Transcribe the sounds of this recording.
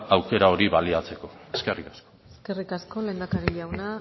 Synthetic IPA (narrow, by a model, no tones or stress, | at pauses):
awke̞ɾao̞ɾiβaliat͡se̞ko̞eske̞rikḁskoeske̞rikasko̞le̞nd̪akaɾiʎawna